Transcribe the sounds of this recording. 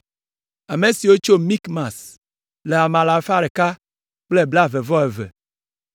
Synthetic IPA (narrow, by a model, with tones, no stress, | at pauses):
a˨me˨si˨wo˦t͡ʃo˦mi˦kmã˨s | le˨a˨mã˨la˨fa˦ɾe˨ka˦ | k͡ple˦bla˦ve˨vɔ˦e˨vḛ˨